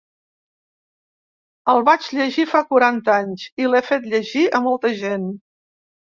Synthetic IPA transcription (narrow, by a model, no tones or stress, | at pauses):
əlˠβad͡ʒʎəʒifakuɾant̪aɲsilɛfet̪ʎəʒiəmɔlˠt̪əʒen